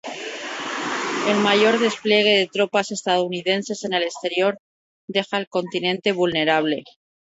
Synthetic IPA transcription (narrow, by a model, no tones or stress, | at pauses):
e̞lmaʝo̞ɾðe̞splje̞ɣ̞e̞ðe̞t̪ɾo̞pase̞st̪aðouniðe̞nse̞se̞ne̞le̞st̪e̞ɾjo̞ɾ | d̪e̞xaelko̞nt̪inẽ̞nt̪e̞βulne̞ɾaβ̞le̞